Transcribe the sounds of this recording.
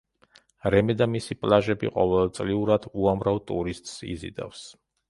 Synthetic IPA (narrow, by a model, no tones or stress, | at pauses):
ɾɛmɛd̪amisipʼlˠaʒɛbḭqʼɔ̰vɛlˠt̪sʼliuɾad̪̥uamɾavt̪ʼṵɾist̪ʼsḭzḭd̪a̰fs